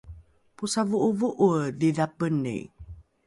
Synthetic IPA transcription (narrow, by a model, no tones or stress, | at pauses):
pusavuʔuvuʔudiðapənːḭ